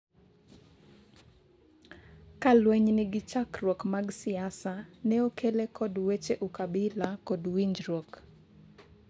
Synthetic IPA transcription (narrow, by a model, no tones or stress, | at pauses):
kalwɛɲnɪɡɪt͡ʃakɾwɔkmaɡsɪasanɛokelekʰɔdwet͡ʃeʔukabɪlakɔdwiɲd͡ʒɾwok